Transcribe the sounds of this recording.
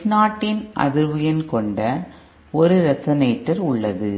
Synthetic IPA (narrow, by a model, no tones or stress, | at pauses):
naːʈːɪnʔɐ̰ðɯɾʋɐjɐnkɔɳɖɐ | ɔɾɯɾɛsɐneːʈːɐɾʊɭːɐðɯ